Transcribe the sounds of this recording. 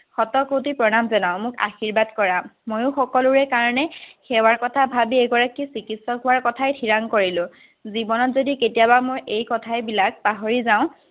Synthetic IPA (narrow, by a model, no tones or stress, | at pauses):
xɔtɔkotipɹɔnamzɔnaʊ̃mʊka̰xiɹbadkɔɹamojʊ̃xɔkɔlʊɹɛkaɹɔnɛxɛwaɹkɔtʰabʱabiɛɡɔɹakisikitsɔɦʊwaɹkɔtʰajtʰiɹaŋkoɹilʊ̃ | zibɔnɔtzodiketijabamojʔejkɔtʰajbilak̚paɦoɹizaʊ̃